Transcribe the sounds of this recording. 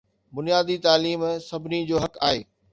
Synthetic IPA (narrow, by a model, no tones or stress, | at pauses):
bʊnijaːd̪it̪aːliːmsɐbʱɪnid͡ʑoːɦɐka̰ːɦḛː